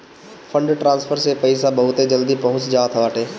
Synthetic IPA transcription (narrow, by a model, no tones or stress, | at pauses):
fʰə̃ɳɖʈɾãːnspʰəɾsepɐɪsabɐɦʊt̪ed͡ʒɐld̪ipɐɦʊ̃t͡ʃd͡ʒaːt̪ʰɐʋaːʈeː